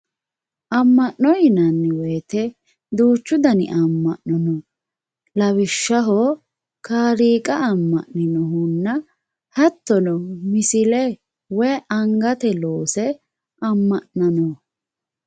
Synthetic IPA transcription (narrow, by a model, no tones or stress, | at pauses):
ʔɐmːɐʔːɔjɪnɐnːɪwɛːt̪ɛ | d̪uːt͡ʃːʊd̪ɐnɪ̰ʔɐmːɐʔnɔnɔ | lɐwɪʃːɐɦo | kaːɾiːkʼɐɐmːɐ̰ʔnɪnɔɦʊnːɐ | hɐt̪ːɔnɔmɪsɪlɛ | wɛjʔɐŋɡɐt̪ɛloːsɛ | ʔɐmːɐʔnɐnɔ